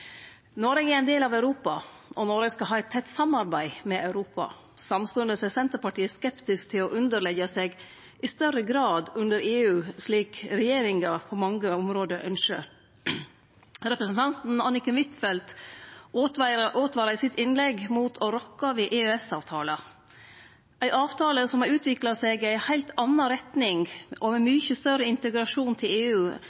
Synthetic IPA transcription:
nɔɾɛɡæɾæɪnd̪eːlɑʋæʉɾuːpɑ | ʔɔnɔɾəskɑɦɑːɛɪt̪ʰɛt̪ːsɑmɑɾbæɪmɛʔɑʉɾuːpɑ̰ | sɑmst̪uːənd̪əsɛsɛnt̪əɾpɑʈʰiːəskɛpt̪ɪskt̪ʰɪlɔʔʉnd̪əɭɛɡəsɛɡ | ʔɪst̪œɾəɡɾɑːd̪ʉnd̪əɾeːʉːʂɭiːkɾɛjeːɾɪŋɑpʰɔmɑŋːəɔmɾoːd̪əʔœ̰nʃə̰ | ɾɛpɾəsən̩t̪ʰɑnt̪n̩ɑnɪkənʋɪt̪fɛlt̪ | ʔoːt̪ʋɑːɾɑsɪt̪ɪnlɛɡmuːt̪ʰɔɾɔkːɑʋɪʔeːøɛsɑːʋt̪ʰɑːlɑ | ʔæɪʔɑːʋt̪ʰɑːləsɔmɑɾʉːt̪ʰʋɪklɑsɛɡæɪhæɪlt̪ʰɑnːɑɾɛt̪nɪŋʔɔmɛmyçəst̪œɾəɪnt̪əɡɾɑʂuːnt̪ʰɪleːʉː

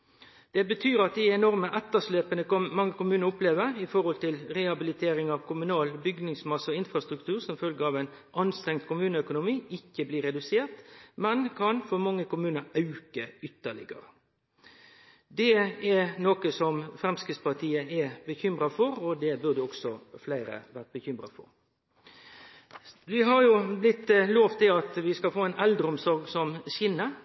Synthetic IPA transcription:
d̪̥ɛbət̪ʰyːɾɑt̪̚d̪ɪɛnɔɾməʔɛt̪ːəʂleːpənəkmɑŋːəkʊmʉːnəʊpleːʋəɾɪfɔɾhɔlt̪ɪlʁɛhɑbɪlɪt̪ʰeːɾɪŋɑʋkʊmʉnɑːlbʏɡnɪŋsmɑsɔɪnfɾɑst̪ɾʉkt̪ʰʉːɾsɔmfœlɡəɑʋɛɪnʔɑnst̪ɾɛŋd̪kʰʊmʉːnəœkʊnʊmiːɪkːəbliːɾɛd̪ʉseːʁt̪mɛnkʰɑnfɔɾmɑŋːəkʊmʉːnəɾɑʉkəʏt̪ːəɭɪ̰ɡə̰ɾə | d̪ɛɛnoːkəsɔmfʁɛmskʁɪspɑʁt̪ʰiːəɛbəçʏmʁɑfɔʁɔd̪ɛbʉʁd̪ɛɔksɔflæɪɾə̰ʋæʁt̪̚bəçʏmʁɑ̰fɔ̰ɾ | ʋɪɦɑʁjʊblɪt̪ːloːʋt̪ʰɪlɑt̪ʋɪskɑfoːɛɪnʔɛld̪ɾəɔmsɔɾɡsɔmɕɪnːə

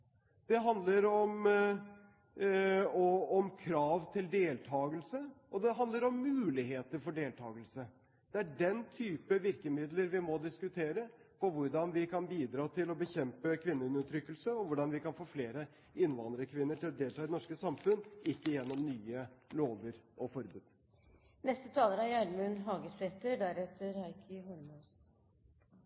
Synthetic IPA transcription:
d̪̥ɛɦɑnd̪ləɾɔm | ɔɔmkʰɾɑːʋt̪ʰɪld̪eːlt̪ʰɑːɡəlsəʔɔd̪ɛɦɑnd̪ləɾɔmːʉːlɪheːt̪əɾfɔɖeːlt̪ʰɑ̰ːɡəlsə | d̪̥ɛæɖɛnt̪ʰyːpəʋɪɾkəmɪd̪ləɾʋɪmɔd̪ɪskʉt̪ʰeːɾə | pʰɔʋʊɾɖɑnʋɪkʰɑnbiːd̪ɾɑːt̪ʰɪlɔbəçɛmpəkʰʋɪnːəʉnət̪ʰɾʏkːəlsəɔʋʊɖɑnʋɪkɑnfoːfleːɾə | ɪnːʋɑnəɾəkʰʋɪnːəʈɪlɔd̪eːlt̪ɑːd̪ɛnɔʂkəsɑmfʉnːɪkːəjɛnːɔmnyːəloːʋəɾʔɔfɔɾbʉːd̪ | nɛst̪ət̪ʰɑːləɾæɾjæɳmʉnɦɑːɡəsɛt̪əɖæɾɛt̪ːəɾɑɪkʰəhɔɾmʉs

